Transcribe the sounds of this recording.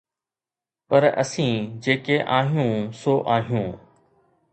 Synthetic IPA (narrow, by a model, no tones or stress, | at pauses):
pəɾə̰sĩːd͡ʑeːkeːʔaːɦjũːsoːʔaːɦijũː